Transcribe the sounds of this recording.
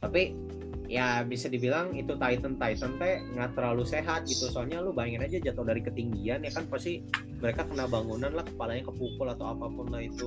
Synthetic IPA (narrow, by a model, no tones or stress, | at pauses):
t̪api | jabisadibilaŋit̪ut̪ait̪ənt̪ait̪ənt̪ɛŋɡat̪əɾaluseɦat̪̚ɡit̪usalɲalʊbaɛŋɪnad͡ʒad͡ʒat̪ʊhdaɾikət̪iŋɡianjakanpast̪i | məɾekakənabaŋunanlahkə̥palaɲakəpupʊlat̪awapapʊnlahit̪u